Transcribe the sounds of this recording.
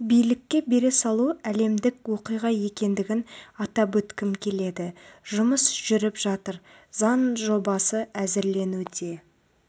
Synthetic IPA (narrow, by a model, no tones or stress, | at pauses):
bijlɪkʲːe̞be̞ɾe̞sɑlˠuæle̞md̪ɪkwo̞qijʁɑje̞kʲe̞nd̪ɪɡʲɪnɑt̪ɑp̬wɵt̪kʲɪmkʲʰe̞le̞d̪ɪʒʊməsʒ̥ʏɾɪpʒɑt̪əɾzɑnʒo̞bɑsəæzɪɾle̞nud̪e̞